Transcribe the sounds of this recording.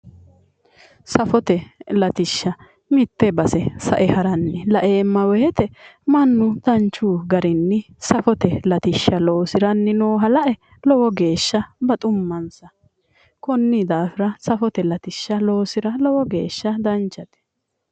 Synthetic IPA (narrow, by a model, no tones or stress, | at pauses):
sɐfɔt̪ɛlɐt̪ɪʃːɐ | mɪt̪ːɛbɐsɛsɐʔɛhɐɾɐnːɪlɐʔeːmːɐwɛjɛt̪ɛmɐnːʊd̪ɐnt͡ʃːuːɡɐɾɪnːɪ | sɐfɔt̪ɛlɐt̪ɪʃːɐloːsɪɾɐnːɪnoːɦɐlɐʔɛ | lɔwɔɡe̞ːʃːɐbɐt̪ʼʊmːɐnsɐ | kɔnːɪd̪aːfɪɾɐsɐfɔt̪ɛlɐt̪ɪʃːɐlo̞ːsɪɾɐlɔwɔɡe̞ːʃːɐd̪ɐnt͡ʃːɐt̪ɛ̥